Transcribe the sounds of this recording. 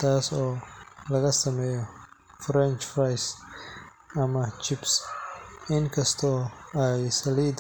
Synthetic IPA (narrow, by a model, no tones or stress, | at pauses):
t̪ʰaːsɔːlɐɣɐsɐmɛːjɔfɾɛnt͡ʃfrajs | ɐmɐt͡ʃʰɪbs | ɪŋkʰɐst̪ʰɔːɛjsɐliːd̪